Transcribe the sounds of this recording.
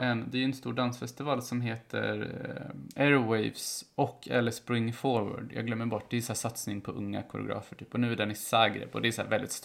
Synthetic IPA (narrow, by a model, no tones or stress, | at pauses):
ʔɛnd̪ɛæɾʉɾɛnst̪uːɖansfɛst̪ɪvɑːlsɔmɦeːt̪ʰə̰ɾ | æɾʊwɛjvsɔkʰːɛ̰lːəspɾɪŋːfɔɾwa̰ɖjɑːɡlœmːəɾbɔʈːd̪ɛsæːʂat̪snɪŋpʰɔʔɵ̰ŋːa̰kʰʊɾə̰ʊ̰ɡɾɑ̰ːfəʈʰyːpɔnʉ̟ːæɖɛnɪsæːɡɾḛpɔ̰d̪ɛæsæːvɛld̪ɪ̰t̪st̪